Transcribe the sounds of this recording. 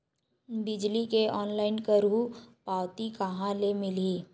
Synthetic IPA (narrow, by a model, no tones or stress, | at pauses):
bɪd͡ʒlikeɔːnlaːɪnkəɾɦupaːwt̪ikɐɦãlemɪliː